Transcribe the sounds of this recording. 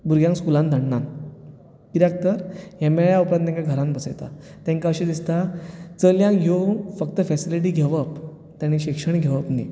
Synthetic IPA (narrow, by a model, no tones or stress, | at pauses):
buɾɡjãŋkskulãnd̪ʱaɳnan | kiɾjak̚t̪əɾjemajaupɾad̪t̪ẽŋkaɡʱəɾãnbəsəjt̪a̰ | t̪ẽŋkaəɕẽd̪ist̪at͡səljãŋɦjofək̚t̪əfɛsiliʈ̬iːɡʱeʋəp | t̪jãñiɕikʂəɳ̃ɡʱeʋəpnḭ